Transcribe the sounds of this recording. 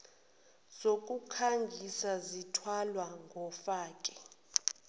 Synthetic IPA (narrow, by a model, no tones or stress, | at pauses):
z̥okʼukʰaŋɡʱisazitʰwalwaŋɡʱɔfaːkʼɛ̥